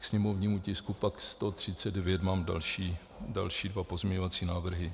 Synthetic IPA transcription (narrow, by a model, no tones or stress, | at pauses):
ksɲɛmovɲiːmucɪskupakst̪ot̪r̝̥ɪt͡sɛdɛvjɛt̪maːmda̰lʃiː | da̰lʃiːdvapozmʲɲɛɲovat͡siːnaːvr̩ɦɪ